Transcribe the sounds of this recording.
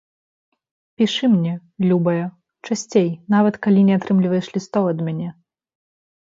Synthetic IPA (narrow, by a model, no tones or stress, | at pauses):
pʲiʂɨmnʲɛ | lʲubɐjɐ | t͡ʂasʲt͡sʲejnavɐt̪kalʲinʲɛat̪ɾɨmlʲivɐjɛʂlʲist̪ɔwɐd̪mʲanʲɛ